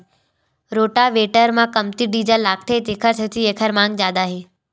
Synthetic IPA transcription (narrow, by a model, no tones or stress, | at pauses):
ɾoːʈaʋeːʈəɾmãkɐmt̪iɖiːd͡ʑalaːk̚ʈʰet̪eːkʰəɾt͡ɕʰɐt̪ʰieːkʰəɾmãːŋɡ̚zjaːd̪aːɦeː